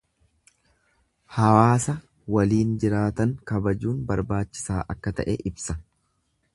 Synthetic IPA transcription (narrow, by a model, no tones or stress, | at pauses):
hɐwaːsɐ | wɐliːnd͡ʒɪɾaːt̪ɐŋkɐbɐd͡ʒuːnbɐɾbaːt͡ʃːɪ̥saːʔɐkːɐt̪ɐ̰ʔɛʔɪbsɐ